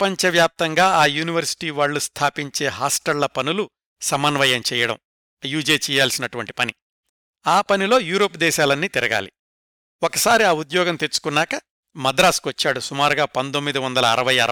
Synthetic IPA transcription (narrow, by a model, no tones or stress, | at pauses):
ɐpɐɲt͡ʃɐʋjaːp̚t̪ɐŋɡaːaːjuːniʋɐɾsi̥ʈiːʋaːɭːust̪ʰaːpiɲt͡ʃe̞ːɦaːsʈɐllɐpɐnulu | sɐmɐnʋɐjɐmt͡ʃɛːjɐɽɐ̰m | juːd͡ʒeːt͡ʃɛːjaːlsinɐʈuʋɐɳʈi̥pɐni | aːpɐnilo̞ːjuːɾoːpd̪ɛːʃaːlɐnːiːt̪iɾɐɡa̰ːli | oɔkɐsaːɾiaːud̪jɔːɡɐmt̪et͡ʃːu̥kunːaːkɐ | mɐd̪ɾaːskʋɐt͡ʃːaːɽusumaːɾuɡaːpɐnt̪omːid̪iʋɐnd̪ɐlɐːɾɐʋɐjɐɾɐ